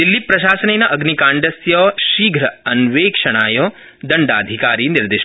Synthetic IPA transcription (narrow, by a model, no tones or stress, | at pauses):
d̪ilːipɾɐʃaːsɐneːnɐʔɐɡnikaːɳɖɐsjɐːʃiːɡʱɾɐɐnʋeːkʂɐɽaːjoː | d̪ɐɳɖa̰ːd̪ʱikaːɾiːniɾd̪eːʃ